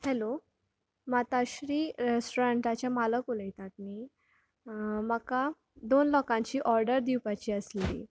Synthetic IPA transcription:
hɛlo | mat̪aɕɾiːɾesʈoɾeɳʈat͡ɕjamaləkuləjt̪at̪̚niː | məka | d̪onlɔkãɲt͡ɕiːʔɔɾɖəɾd̪iwpat͡ɕiːəslḭː

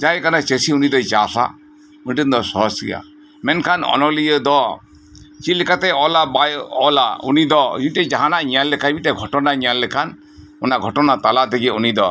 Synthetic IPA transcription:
d͡ʒajkanat͡ʃesiunid̪ɔjt͡ʃasa̰ | uniʈind̪ɔsɔsɡḭja̰ | mɛnkʰanɔ̰nɔlijəd̪ɔ | t͡ʃilɛkat̪ɛɔlabajɔlaṵnid̪ɔd͡ʒiʈɛd͡ʒaɦanaɲalːɛkʰabmiʈɛɡʱɔʈɔnaɲalːɛkʰan | unaɡʱɔʈɔnat̪alat̪ɛɡiunid̪ɔ

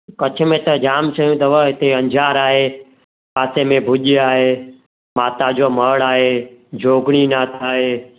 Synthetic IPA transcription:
kɐt͡ʃʰʊ̆mẽt̪ɐd͡ʑaːmt͡ɕʰɐjũt̪ɐʋəɦɪt̪eɐ̃ɲd͡ʑʱaːɾaːɦe | paːsemẽbʱʊʄiaːɦeː | maːt̪ad͡ʑoːməɽaːɦeːd͡ʑoːɡɽ̃inaːt̪ʰaːɦeː

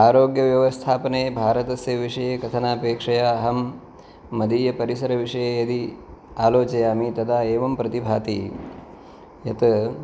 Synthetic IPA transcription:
aːɾoːɡjɐʋjɐʋɐst̪ʰaːpɐneːbʱaːɾɐt̪ɐsjɐʋiʂɐjeːkɐt̪ʰɐnaːpeːkʂɐjaɐɦɐmː | ɐd̪iːjɐpɐɾisɐɾɐʋiʂɐjeːjɐd̪iaːloːt͡ʃɐjaːmit̪ɐd̪aːeːʋɐmpɾɐt̪ibʱaːt̪ḭ | jɐt̪

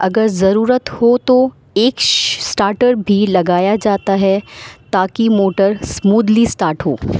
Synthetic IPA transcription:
ɐɡəɾzɐɾuːɾət̪hot̪o | eːksʈaːɾʈəɾbʱilɐɡaːjad͡ʒaːt̪aɦɛt̪aːkimoːʈəɾsmuːd̪lisʈaːɾʈɦoː

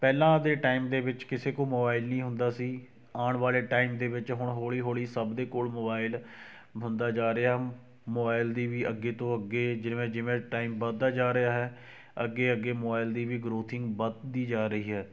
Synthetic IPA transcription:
pɛːlãːd̪eːʈaːɪmd̪eːʋɪt͡ʃkɪseːkoːmoːbaːɪlnəĩːɦʊ̃nd̪aːsiː | aːɳʋaːleːʈaːɪmd̪eːʋɪt͡ʃɦʊɳɦoːɭiːɦoːɭiːsəbd̪eːkoːlmoːbaːɪl | bənd̪aːd͡ʒaːɾəaːɦɛ | moːbaːɪld̪iːʋiːʔəɡːeːt̪õːəɡːeːd͡ʒɪʋẽːd͡ʒɪʋẽːʈaːɪmbəd̪aːd͡ʒaːɾəaːɦɛː | əɡːeːəɡːeːmoːbaːɪld̪iːʋiːɡɾoːt̪ʰɪŋɡbəd̪d̪iːd͡ʒaːɾəɦiːɦɛː

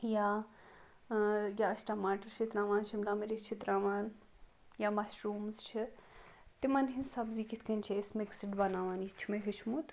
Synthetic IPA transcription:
jaː | jʲaːɐsʈaːmaːʈɐɾt͡ʃʰit̪ɾaːʋaːnt͡ʃʰimlaːmeɾit͡ʃʰit̪ɾaːʋaːn | jaːmɐʃɾuːmzt͡ʃʰi | t̪imɐnɦinsabziːkit̪ʰkɐnʲt͡ʃʰeɪsmeksiʈbɐnaːʋaːnit͡ʃʰimeɦiʃmut̪

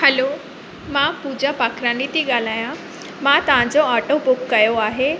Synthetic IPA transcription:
həlo | mãpud͡ʑapakʰɾãnit̪iɡaːl̤aːjã | mãt̪ɐʋ̤ãd͡ʑoaʈobʊkːɐjoaːɦe

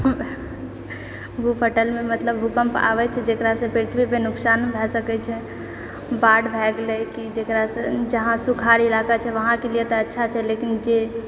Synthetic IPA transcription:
bʱupʰəʈəlmemət̪ləbɦukəmpa̰ʋɛt͡ʃʰɛd͡ʒekɾasẽpiɾt̪ʰbipenuksanbʱɛsəkɛt͡ʃʰɛ | baɖbʱɛɡlekid͡ʒekɾasə̃d͡ʒəɦãsukʰaɾiilakat͡ʃʰɛʋəɦãkelijet̪ɔətːʃʰat͡ʃʰɛlekind͡ʒe

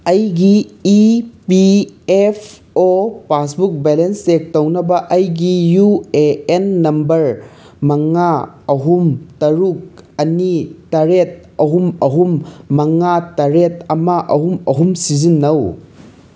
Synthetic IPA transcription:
ɐjɡiː | piepʰ | opasbuk̚belenstek̚tɐwnɐbɐʔɐjɡijueenːɐmbɐɾ | mɐŋa | ɐɦumtɐɾuk̚ɐnitɐɾet̚ɐɦumɐɦumːɐŋatɐɾetɐmɐʔɐɦumɐɦumsizinːɐw

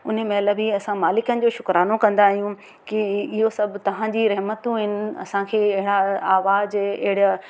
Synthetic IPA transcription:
ʊ̰nmẽlɐbiɐsãmaːlɪkənɪ̆d͡ʑoːʃʊkɾaːnokɐ̃nd̪aːɦijũ | kiɪɦosɐbʱt̪ɐʋ̤ãd͡ʑiɾɐɦmət̪ũɦɪnɪ̆ɐ̰sãkʰeːɪɦɪɽaaːʋaːzɪɦɪɽja

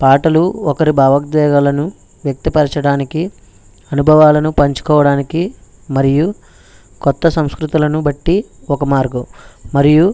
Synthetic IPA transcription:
paːʈɐluɔkɐɾibʱaːʋɐɡd̪ʋɛːɡalɐnu | ʋjɐk̚t̪ipɐɾɐt͡ʃɐɽaːniki | ɐnubʱɐʋaːlɐnupɐɲt͡ʃu̥kɔːʋɐɽaːniki | mɐɾiju | kɔt̪ːɐsɐmskɾut̪ulɐnubɐʈːiɔkɐmaːɾɡɐmɐɾiju

